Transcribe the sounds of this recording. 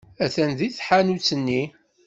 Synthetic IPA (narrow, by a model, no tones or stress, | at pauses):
æθænðiθħanut͡sːənːi